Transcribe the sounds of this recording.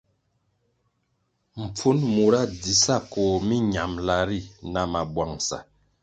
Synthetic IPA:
m̩˨p͡fu˦nmu˨ɾa˦˨di˨sa˦˨kɔ˨mi˦ɲa˨mla˨ɾi˦˨na˨ma˨bwa˨ŋsa̰˨

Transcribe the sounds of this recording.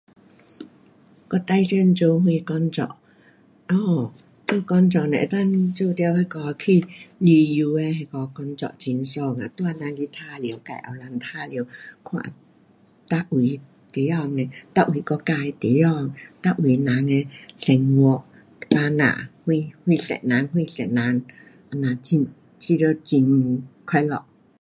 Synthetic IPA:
kɔ˧t̪a˧jsɛ˥nt͡so˧whu˧kɔ˧˥nt͡sɔ̰˧˨ʔ̚ | ɔː˧˩ | to˧wkɔ˧˥nt͡sɔ˧˨nɛ̰˧˨t̪a˥nt͡so˧t̪ɛ˧˥wka˧kɔː˧kʰi˧˩li˧ju˨˧ɛ˧hɛ˧kɔː˨˧kɔ˧˥nt͡sɔ̰˧˨t͡si˧nsɔː˧ŋa̰˨t̪u˧a˧na˨˧˥ŋki˧t̪ʰaː˥li˨ə˦wka̰˧˩jʔa̰˨˩wla˧nt̪ʰaː˧˩li˨˦wkʰwa̰ː˧˩ | t̪a˧ʔu˨˩˦j | t̪i˨˦jɔː˧˨ŋnɛ˧t̪a˧ʔu˨˩˦kɔ˧˦kaː˧jt̪i˨˦jɔ˧˩ŋt̪a˧ʔu˨˩˦jna˨˦ŋɛ˧ɬɛ˨˩ŋwɔ˧˦ʔ | paː˧na̰ː˧˨hu˧jhu˧˩˨ɬɛ̰˨na˨˦ŋhu˧jɬɛ̰˨naː˨˧˦n | ʔa˧naː˨˧˨t͡ɕi˧n | t͡ɕi˧də˧t͡ɕi˧n˧kʰɔ˧˩jlɔ̰˧˨ʔ̚

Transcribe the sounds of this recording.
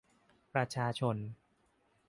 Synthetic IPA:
pɾa˧t͡ɕʰaː˧t͡ɕʰo˧n

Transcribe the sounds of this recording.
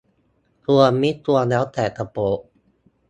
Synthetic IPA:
t̪u˧ɐmiː˦˥t̪u˧ɐnɛː˦˥wt̪ɛː˨˩t̪a˧poː˧˩ʔ

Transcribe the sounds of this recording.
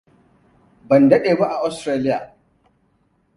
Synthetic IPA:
bɐ˨ndɐ˦ɗeː˨ba˦ʔa˨ʔa˨˦stɾaː˦lɪ˦jaː˨

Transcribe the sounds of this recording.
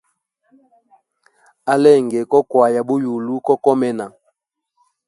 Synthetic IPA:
a˦lɛ˦˨ŋɡɛ˨kɔ˦kwa˨ja˨bu˦ju˨lu˦kɔ˦kɔ˦mɛ˦na˨

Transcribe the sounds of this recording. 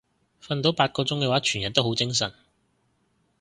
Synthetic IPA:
fɐ˧nt̪o˨˥wpaː˧t̚kɔː˧t͡sʊ˥ŋkɛː˧waː˨˥t͡ʃʰyː˨˩njɐ˨˩t̪o˥wɦo˨˥wt͡sɪ˥ŋsɐ̰˨˩n

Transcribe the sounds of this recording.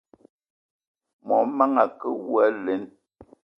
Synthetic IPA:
mɔ˨˦ma˦ŋa˨kə˦wwa˦le˨˦n

